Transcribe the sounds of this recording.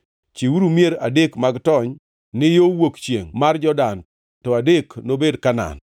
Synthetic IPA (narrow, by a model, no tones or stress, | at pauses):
t͡ʃiwuɾumjeɾadekmaɡtɔɲ | nɪjowokt͡ʃjeŋmard͡ʒɔdan | tɔadeknobedkana̰n